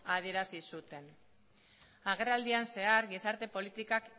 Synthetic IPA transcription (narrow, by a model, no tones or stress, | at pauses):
aðie̞ɾasisut̪e̞n | aɣ̞e̞rald̪ianse̞aɾɡisaɾt̪e̞po̞lit̪ikak